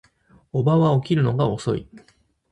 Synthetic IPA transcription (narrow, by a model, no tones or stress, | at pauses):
o̞baβao̞kʲiɾɯ̟no̞ɡao̞so̞̰ḭ